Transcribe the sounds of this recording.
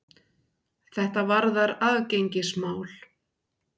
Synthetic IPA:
θɛht̪avaɾðaɾaðcejɲcɪsmaːwl

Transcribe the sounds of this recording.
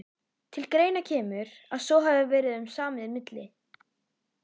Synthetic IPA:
t̪ʰɪlkɾeːjnacʰɛːmʏɾ̥ | aðsɔwɦaðvʏvɛːɾɪðʏmsaːmɪðɪmɪt̪lɪ

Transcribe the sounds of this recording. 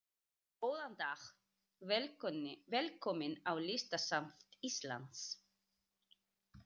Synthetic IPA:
oːwðant̪ax | vlvɛlkʰɔmɪnawlɪst̪asamt̪ist̪la̰nt̪s

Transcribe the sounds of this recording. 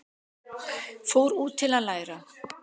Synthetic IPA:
fowɾuːt̪ʰːɪlaðlaːjɾa

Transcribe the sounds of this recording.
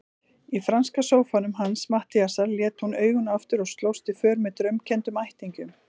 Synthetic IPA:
ifɾanskasoːwfanʏmɦansmaht̪ɪjasaɾljɛːt̪hunœːɥɣʏnaft̪ʏɾɔɣst̪lowst̪ɪfœːɾmɛːt̪ɾʏmcʰɛnt̪ʏmajht̪iɲcʏm

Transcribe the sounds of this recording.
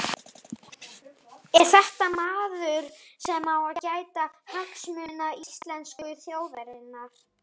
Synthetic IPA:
ɛɾ̥θɛht̪amaːðʏɾ̥sɛmawaðcaːjt̪ahaksmʏːnaist̪lɛnskʏθjoːwvɛɾɪnːaɾ̥

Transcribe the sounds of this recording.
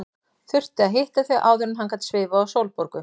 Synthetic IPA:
θʏr̥t̪ɪaðɦeht̪aθɛʔaːwðʏɾʏnɦankat̪svɪːvʏawsowlpoɾkʏ

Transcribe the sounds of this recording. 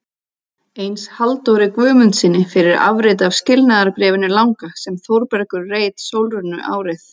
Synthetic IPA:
ejnshalt̪ɔwɾɪkvœːmʏnt̪sɪnːɪfɪɾɪɾa̰vɾɪt̪avscɪlnaðaɾpɾɛːvɪnɪlawŋkasɛmθowɾpɛɾkʏɾreːjt̪sowlrʏnːʏ̰ʔa̰ːwɾɪθ

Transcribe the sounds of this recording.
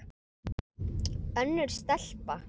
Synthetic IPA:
œnːʏɾ̥st̪ɛl̥pa

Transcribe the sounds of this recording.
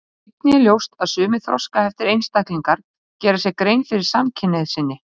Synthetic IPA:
t̪̚niɛljowst̪aðsʏːmɪθɾɔ̰skahɛft̪ɪɾejnst̪ahkliŋkaɾ̥ | cɛːɾasjɛɣkɾejnfɪɾɪɾ̥samcʰɪnɛðsɪnːɪ

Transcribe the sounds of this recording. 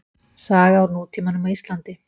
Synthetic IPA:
saːɣawɾnuːt̪ʰiːmanʏmaist̪lant̪ɪ

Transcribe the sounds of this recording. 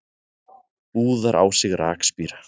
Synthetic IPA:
uːðaɾʔa̰ːwsɪɣɾa̰ːkspiːɾḁ

